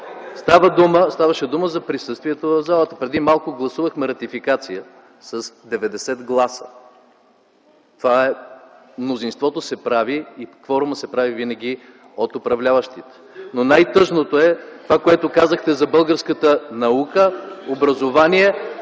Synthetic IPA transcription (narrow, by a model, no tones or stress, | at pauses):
st̪avəd̪uməst̪avɐʃɛd̪uməzɐpɾisəst̪viɛt̪ovɐvzalˠət̪ə̥pɾɛd̪imalˠkʊɡlˠɐsuvəxmɛɾɐt̪ifikat̪sijə | sɐsd̪ɛvɛd̪ɛsɛt̪ɡlˠasə̥̰ | t̪ovaɛ | mnozinst̪vɔt̪osɛpɾaviːkvɔɾʊməsɛpɾavivinɐɡ̟i | ot̪opɾɐvlʲavɐʃt̪it̪ɛ̥nonajt̪ɤʒnot̪oɛt̪ovakoɛt̪okazəxt̪ɛzɐbɤlˠɡəɾskət̪ənɐukəobɾɐzovaniɛ